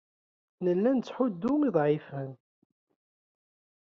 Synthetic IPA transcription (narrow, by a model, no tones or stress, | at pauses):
nəlːænt͡sːħʊd̪ːʊmiðˤʕifən